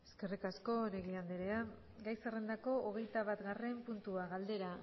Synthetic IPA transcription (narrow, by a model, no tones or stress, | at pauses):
e̞ske̞rikasko̞neɣiand̪eɾea | ɡajsere̞nd̪ako̞oɣ̞e̞jt̪aβat̪ɡare̞mpunt̪uaɣald̪e̞ɾa